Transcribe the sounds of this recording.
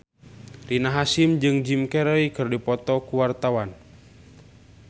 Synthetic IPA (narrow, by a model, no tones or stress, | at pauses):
rinaɦasimd͡ʒɨŋd͡ʒimkɛɾɔikɨrdipɔt̪ɔkuwart̪awan